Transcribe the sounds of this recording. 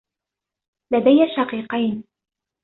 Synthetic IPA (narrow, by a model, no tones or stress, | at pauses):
lad̪ajːaʃɑqiːqɑjn